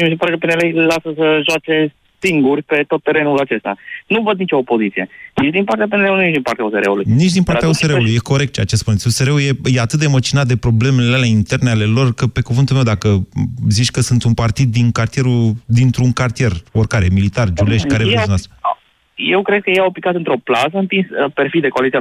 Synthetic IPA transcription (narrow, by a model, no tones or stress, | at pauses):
ms̬epaɾekəpenelejlasəsəʒoat͡ʃe̞ | siŋɡurʲpe̞t̪o̞t̪ːe̞ɾe̞nulat͡ʃe̞st̪a̰nuvəd̪̚nit͡ʃo̞ːpo̞zit̪sije̞̰nit͡ʃd̪inpaɾt̪ejap̬eneleunuet͡ʃd̪inpaɾrt̪ʲaoseɾeulujnit͡ʃd̪inpaɾjaoseɾeulujeko̞ɾekt̪t͡ʃeat͡ʃspunesʲoseɾeuje̞je̞at̪ɨt̪̚d̪emat͡ʃinat̪̚d̪e̞pɾo̞ble̞meleleleint̪e̞rneale̞lo̞rkəpe̞kuvɨnt̪ulme̞wd̪akəzit͡ʃʲkəsunt̪unpart̪id̪̚ːinkart̪ije̞ɾud̪int̪ɾuŋkart̪ije̞ro̞rkaɾemilit̪ard͡ʒule̞ʃt̪kaɾesonas | je̞wkɾe̞d̪̚kəjejaopikat̪ɨnt̪ɾo̞plaz̬əɨnpinsəpeɾrfid̪ekoalit̪sia